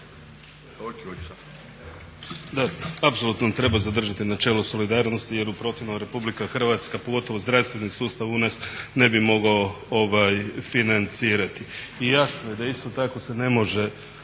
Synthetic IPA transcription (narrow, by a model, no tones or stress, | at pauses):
d̪aapso̞lut̪not̪ɾe̞bazad̪r̩ʒat̪inat͡ʃe̞loso̞lid̪aːɾno̞st̪ije̞ɾupɾo̞t̪jinomɾe̞publikaxrʋat̪skapo̞ɡo̞t̪o̞ʋo̞zd̪ɾast̪ʋe̞nisuːst̪aʋunasne̞bimo̞ɡao | oʋajfinant̪siːɾat̪iːjasnoje̞d̪aist̪o̞t̪ako̞se̞ne̞mo̞ʒe̞